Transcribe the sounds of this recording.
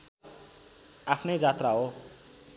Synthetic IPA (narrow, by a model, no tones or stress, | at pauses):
apʰnʌjd͡zat̪raɦo